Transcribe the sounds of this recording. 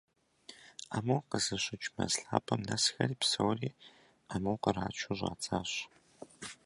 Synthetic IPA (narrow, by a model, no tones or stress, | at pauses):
amɐwqəzɨɕɪt͡ʃʼmɐ̰zɬaːpʰɐmnɐsxɐriːpsɐwriː | amɐwqəɾaːt͡ʃʷʰuʑʷa̰ːt͡sʰʼaːɕ